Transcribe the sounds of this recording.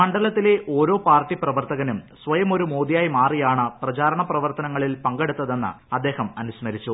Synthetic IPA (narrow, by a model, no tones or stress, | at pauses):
ɐɳɖɐlɐt̪ːile̞ʔo̞ːɾo̞ːpaːrʈːiprɐʋɐrt̪ɐɣɐnumsʋɐjɐmo̞ɾumo̞ːd̪ijaːjmaːrijaːɳɨprɐt͡ɕaːɾɐɳɐprɐʋɐrt̪ɐnɐŋːɐɭilpɐŋɡe̞ɽut̪ːɐðe̞nːɨ̰ɐd̪ːe̞ːhɐmɐnuɕmɐɾit͡ɕːu